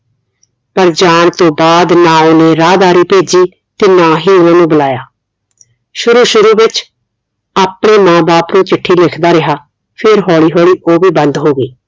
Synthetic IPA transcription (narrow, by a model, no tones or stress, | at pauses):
pəɾd͡ʒaːɳt̪õːbaːd̪nãːonẽːɾaːd̪aːɾiːpeːd͡ʒiː | t̪eːnãːɦiːʊnãːnũːbəlaːjaː | ʃʊɾuːʃʊɾuːbɪt͡ʃ | aːpɳeːmãːbaːpnũːt͡ʃɪʈʰːiːlɪkʰd̪aːɾɪɦaː | pʰɪɾɦɔːɭiːɦoːɭiːʔoːbiːbə̃nd̪ɦoːɡiː